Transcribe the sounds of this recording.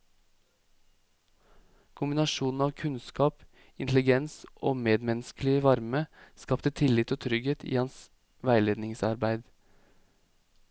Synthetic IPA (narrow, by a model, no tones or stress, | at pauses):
kʰʊmbɪnɑʃuːnn̩ɑːʋkʰʉnskɑːp | ɪnt̪lɪɡɛnsʔoːmeːd̪mɛnsklɪəʋɑɾməskɑpt̪ət̪ʰɪlɪt̪oːt̪ʰɾʏɡheːt̪ḭːhɑns | ʋæɪleːd̪nɪŋsɑɾbæɪd̪